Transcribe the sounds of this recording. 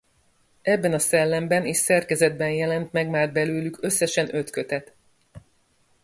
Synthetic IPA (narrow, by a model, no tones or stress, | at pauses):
ɛbːɛnɒsɛlːɛmbɛniːʃsɛrkɛzɛd̪̚bɛnjɛlɛnt̪mɛɡmaːrbɛløːlykø̞sːɛʃɛnø̞t̪kø̞t̪ɛt̪